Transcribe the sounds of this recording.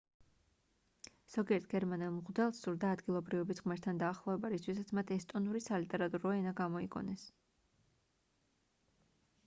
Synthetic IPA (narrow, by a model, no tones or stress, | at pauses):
z̥ɔɡiɛɾt̪ʰɡ̥ɛɾmanɛlˠmʁd̪ɛlˠsːuɾd̪aːd̪ɡilˠɔbɾivɛbisʁmɛɾt̪ʰand̪aːχlˠɔvɛbaɾist̪ʰwisat̪sʰmat̪ʰɛst̪ʼɔnuɾisalit̪ʼɛɾat̪ʼuɾɔɛnaɡamɔiɡʼɔ̰nɛs